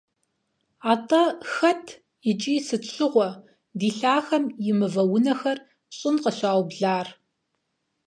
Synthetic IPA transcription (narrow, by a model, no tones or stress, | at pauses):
aːtʼɐxɐtʰ | jɪt͡ʃʼiːsɨɕʰɨʁʷɔ | diːɬaːxɐmjɪmɨvɐwʊnɐxɐr | ɕʼɪnqəɕʷaːwbɮaːr